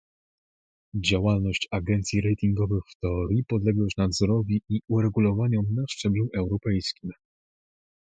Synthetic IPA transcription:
d͡ʑawalnɔɕt͡ɕaɡɛnt̪sʲjiɾɛjt̪ʲiŋɡɔvɘxft̪ɛɔɾʲjipɔd̪lɛɡwɔɕnad̪zɔɾɔvʲiiuɾɛɡulɔvaɲɔmnaʂt͡ʂɛbluʔɛwɾɔpɛjskʲim

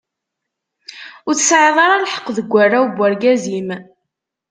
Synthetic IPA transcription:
ʊɾθsʕðˤɑɾˤɑlħə̥qːðəɡʷːarːawbʷːæɾɡæzim

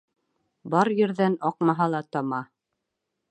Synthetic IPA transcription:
bɑɾjɘ̆ɾðænɒq̚mɑɦɑlˠɑt̪ɑmɑ

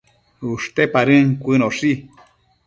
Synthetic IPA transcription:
uʂt̪epaɾɨŋkʷɨnoʂi

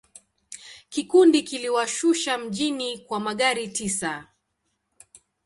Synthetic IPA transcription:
kikundikiliwaʃuʃam̩ʄinikwamaɠaɾitisa

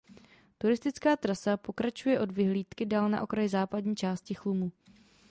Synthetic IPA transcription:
t̪uɾɪst̪ɪt͡skaːt̪ɾasapo̞kɾat͡ʃujɛʔo̞dvɪɦliːt̪kɪdaːlna̰ʔo̞kɾajɪzaːpadɲiːt͡ʃaːscɪxlumu

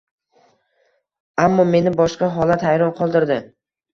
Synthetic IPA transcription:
amːɒme̞nɪbɒʃqɑɦɒlat̪hajɾɒnqʰɒlˠd̪ɪɾd̪ɪ

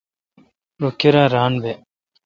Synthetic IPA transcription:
ɾoːkeɾaːɾaːnbe

